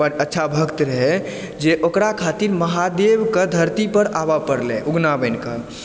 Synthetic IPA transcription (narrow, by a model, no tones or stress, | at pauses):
ətːʃʰabʱəkt̪ɾəɦɛ | d͡ʒeʔokɾakʰat̪iɾməɦad̪ebkəd̪ʱəɾt̪ipəɾabapəɾlɛ̰̃ʔuɡnabəɪnkə